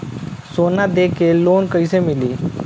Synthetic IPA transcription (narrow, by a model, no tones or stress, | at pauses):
soːnad̪eːkʰeːloːnkəisemɪliː